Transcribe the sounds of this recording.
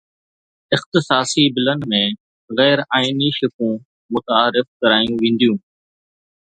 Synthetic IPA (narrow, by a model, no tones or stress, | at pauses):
ɪxt̪ɪsaːsibɪlənɪ̆mẽː | ɣɛːɾaːɪniʃʊkũː | mʊt̪aːɾɪfkəɾaːjũʋẽːn̆d̪ijũː